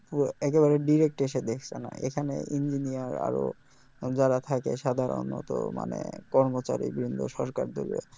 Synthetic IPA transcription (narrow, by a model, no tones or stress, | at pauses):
pɛkeβaɾeɖiɾek̚ʈeʃed̪ekʰt͡ɕʰena̰ʔḛkʰanḛʔind͡ʑinijaɾa̰ɾo | d͡ʑaɾat̪ʰakeʃad̪ʱaɾo̰nɔt̪oma̰nekɔɾmot͡ɕa̰ɾḭbɾind̪ʱoʃɔɾkaɾd̪ole